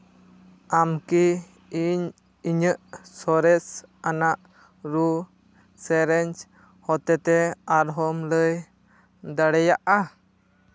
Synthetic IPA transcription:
amki | iɲ | iɲəʔsɔɾɛsanaʔ | ɾu | sɛɾɛɲt͡ʃ | hɔt̪ɛt̪ɛaɾɦɔmləj | d̪aɽɛjaʔa

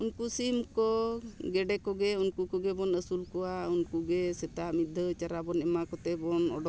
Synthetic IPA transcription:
unkusimkɔɡɛɖɛkɔɡɛunkukɔɡɛbɔnəsulkɔwaunkuɡɛsɛt̪aʔmid̪ʱət͡ʃaɾabɔnɛmakɔt̪ɛbɔnɔ̰ɖɔ

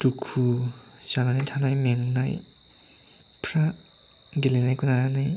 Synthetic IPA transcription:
tukʰuzananajtʰanajmeŋnaj | pʰɾa | ɡilenajkunaɾanaj

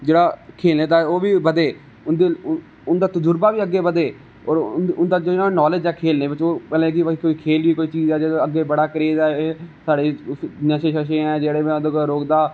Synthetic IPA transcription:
d͡ʒeːɽaːkʰeːlneːt̪aːɛoːʋiːbəd̪eː | ʊnd̪e | ʊnd̪aːt̪ʊd͡ʒʊɾbaːʋiːəɡːeːbəd̪eː | ɔ̰ːɾʊnd̪aːd͡ʒoːɪnãːnɔːled͡ʒɛːkʰeːlneːbɪt͡ʃoːpɛːlẽːkiːkoːiːkʰeːliːkoːiːt͡ʃiːd͡ʒɛːd͡ʒeːəɡːeːbəɽaːkəɾeːd̪ɛːsaːɽeːnəʃeːʃəʃ̬ẽːɛ̃ːd͡ʒeːɽẽːd̪oɡɾoːkd̪aː

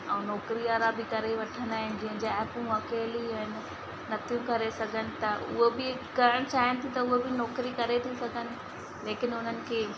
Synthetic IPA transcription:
ɛ̃ːnɔːkɾiaːɾabɪkɐɾeʋɐʈʰənd̪aːɦɪ̃nɪ̆d͡ʑĩɦə̃d͡ʑeɛːpũɐkeːliɐɪnɪ | nɐt̪jũkɐɾesɐɡʱənɪ̆t̪ɐʔʊ̰ɦobɪ | ɡɐɾəɽ̃t͡ɕaːɦɪnɪ̆t̪ʰit̪ɐʊɦebɪnɔːkɾikɐɾet̪ʰisɐɡʱənɪ̆ | leːkɪnʊn̤ənɪ̆kʰeː

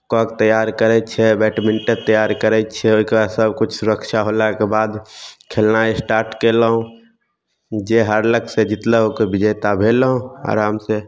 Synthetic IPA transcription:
kɔːk̚t̪əjaːɾkəɾɛt͡ʃʰɛbɛːʈmɪɳʈəɾt̪əjaːɾkəɾɛt͡ʃʰɛoiksəbkʊt͡ʃʰsʊɾəkʃʰaɦolakebaːd̪kʰeːlnaesʈaːɾʈkeləɦũ | d͡ʒeɦəɾləɡsed͡ʒɪt̪ləɦokebɪd͡ʒejt̪abʱeləɦũa̰ːɾaːmse

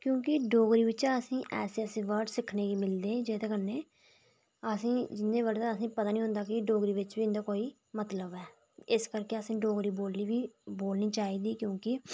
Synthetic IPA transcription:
kjõːkɪɖoːɡɾiːʋɪt͡ʃaəsĩːʔɛːseːəsẽːʋəɾɖsɪkʰneːɡiːmɪld̪eːd͡ʒeːt̪eːkənːeː | əsĩːd͡ʒɪnːẽːʋəɖt̪aəsĩːpət̪aːnĩːɦʊ̃nd̪aːkɪɖoːɡɾiːʋɪt͡ʃʋiːɪnd̪aːkoːiː | mət̪ləbɛː | ɪskəɾkeːəsĩːɖoːɡɾiːboːlniːʋiːboːlniːt͡ʃaːiːd̪iːkjõːkɪ

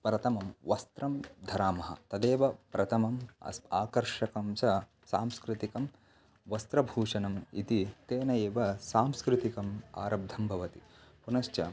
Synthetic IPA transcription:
pɾɐt̪ʰɐmɐmʋɐst̪ɾɐmd̪ʱɐɾaːmɐɦɐ̰t̪ɐd̪eːʋɐpɾɐt̪ʰɐmɐmɐ̰saːkɐɾʂɐkɐmsɐ | saːmskɾɪt̪ikɐm | ʋɐst̪ɾɐbʱuːʂɐnɐmḭt̪it̪eːnɐjeːʋɐsaːmskɾɪt̪ikɐma̰ːɾɐb̚d̪ʱɐmbʱɐʋɐt̪ipunɐʃt͡ʃɐ

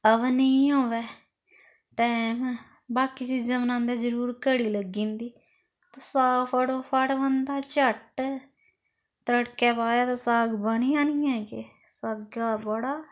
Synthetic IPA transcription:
əʋniːɦoːʋɛː | ʈɛːm | baːkiːt͡ʃiːd͡ʒəmnãːnd̪eːzəɾuːɾkəɽiːləɡĩːnd̪iː | t̪aːsaːpʰəɽoːpʰəɽʋənd̪aːt͡ʃəʈ | t̪ɾəɽkɛːpaːjaːt̪ãːsaːɡbəɳiːãːniːɛ̃ːkɪ | səɡaːbəɽaː

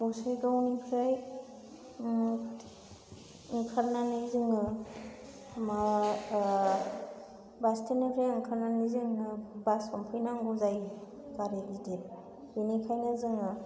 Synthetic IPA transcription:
bɔsɯjɡawnikʰɾaj | ɯŋkʰaɾnanɯjzɯŋɯ | ma | bastʰenakʰɾajɯŋkʰaɾnanɯzɯŋnɯbasɔmpʰɯjnaŋɡɔzaj | kaɾelidip̚ | binikʰajnazɯŋɯ

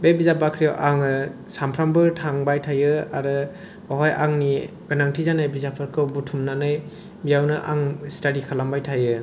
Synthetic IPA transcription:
bebizabakʰɾijawʔaŋɯ | sampʰɾambɯtʰaŋbajtʰajɯaɾɯ | ɔɦɔjaŋni | ɡ̥ɯnaŋtʰizanajbizapʰɯɾkʰɯwbutʰumnanaj | bijawnɯʔaŋstaɾikʰalambajtʰajɯ

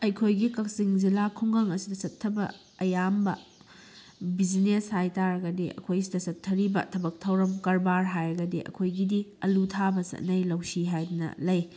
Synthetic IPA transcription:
ɐjkʰojɡikɐk̚siŋd͡ʒilakʰuŋɡɐŋɐsidɐsɐtʰːɐbɐ̰ | ɐjambɐ̰ | bizineshajtaɾɐɡɐdeʔɐ̰kʰojsidɐsɐtʰːɐɾibɐ̰tʰɐbɐk̚tʰɐwɾɐmkɐɾbaɾɦajɾɐɡɐdeʔɐ̰kʰojɡidiɐlutʰabɐsɐ̰t̚nɐjlɐwsiɦajdɐnɐ̰lɐj

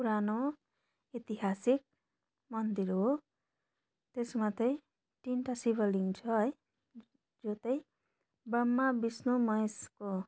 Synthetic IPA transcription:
puɾano | it̪iɦasik̚ | mʌnd̪iɾɦo | t̪esmat̪ʌj̃ | ʈinʈasibʱʌliŋt͡sʰʌj | d͡zot̪ʌj | bʌmːabisnomʌjsko

